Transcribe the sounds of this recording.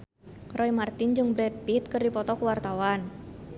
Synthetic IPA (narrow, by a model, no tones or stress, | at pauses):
rʔɔimart̪ind͡ʒuŋbɾɛd̪̚pit̪̚kɨrdipɔt̪ɔkuwart̪awan